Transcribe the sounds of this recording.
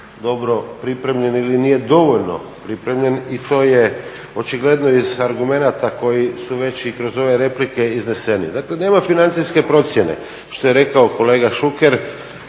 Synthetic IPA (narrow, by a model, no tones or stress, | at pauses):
d̪o̞bɾo̞pɾipɾe̞mʎe̞nilinije̞d̪o̞ʋo̞ʎno̞̰pɾipɾe̞mʎe̞nit̪o̞ːje | o̞t͡ʃiɡle̞d̪no̞izaɾɡume̞nat̪ako̞jisuʋe̞t͡ɕikɾo̞zo̞ʋe̞ɾe̞plike̞izne̞se̞nḭd̪akle̞ne̞ːmafinant̪siske̞pɾo̞t̪sje̞ne̞̰ | ʃt̪o̞jeɾe̞kaoko̞leːɡaʃukeɾ